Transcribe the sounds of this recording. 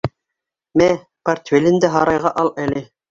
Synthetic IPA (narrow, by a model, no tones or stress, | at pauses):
mæ | pɐrt̪ʲfʲelʲɘ̆nd̪æɦɑɾɑjʁɑʔɑlˠælɘ